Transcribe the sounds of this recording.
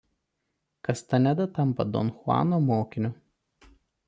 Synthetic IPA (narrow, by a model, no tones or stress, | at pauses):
kɐst̪ɐnʲɛd̪ɐt̪ɐmpɐ̰d̪ɔ̰nxʊɑ̰ːnoːmoːkʲɪnʲʊ